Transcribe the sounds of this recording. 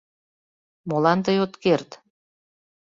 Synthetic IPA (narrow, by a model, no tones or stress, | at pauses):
molɑnt̪əjot̪kert̪